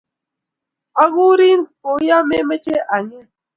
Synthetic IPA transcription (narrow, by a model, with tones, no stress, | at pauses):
a˦ɣu˦ɾi˦nko˨˦ja˦me˦me˦t͡ʃe˦ʔa˨ɲe˦